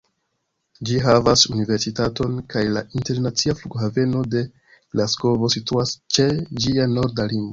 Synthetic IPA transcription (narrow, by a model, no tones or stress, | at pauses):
d͡ʒiɦavasunive̞ɾsitato̞nkajlaʔinte̞ɾnat͡siafluɡɦave̞no̞de̞ | ɡlasko̞vo̞situast͡ʃe̞d͡ʒiano̞ɾdaliŋɡvo